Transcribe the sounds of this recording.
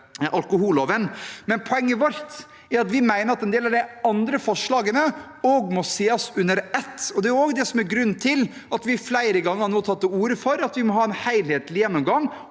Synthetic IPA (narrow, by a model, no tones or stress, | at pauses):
ʔɑlkʊɦuːloːʋənmɛnpʰɔɛŋːəʋɔɾt̪ | æɾɑt̪ʋɪmæɪnəɾɑt̪ɛnd̪eːlɑʋd̪ɛɑnd̪ɾəfɔʂɭɑːɡənə | ɔɡmɔseːɔsʉnːəɾɛt̪ːɔd̪ɛæʊoːɡd̪ɛsɔmæɾɡɾʉnːt̪ʰɪl | ɑt̪ʋɪflæɪɾəɡɑŋːəhɑɾnoːt̪ʰɑt̪ːəuːɾəfɔɾɑt̪ʋɪmɔɦɑːɛnhæɪlheːt̪ʰlɪjɛnːɔmɡɑŋ